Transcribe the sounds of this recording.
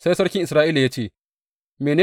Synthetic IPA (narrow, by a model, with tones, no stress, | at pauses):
sa˦jsɐ˦ɽkʲɪ˦ŋʔɪ˨sɾaː˦ʔiː˦la˨jaː˦t͡ʃeː˦˨ | meː˨neː˦